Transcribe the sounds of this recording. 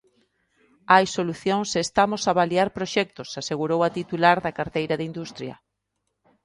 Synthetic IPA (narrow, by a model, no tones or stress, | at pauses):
ajsoluθjoŋsest̪amosaβaliaɾpɾoʃɛk̚t̪ʊsaseɣuɾowat̪it̪ulaɾðɐkaɾt̪ejɾɐðind̪ust̪ɾjɐ̰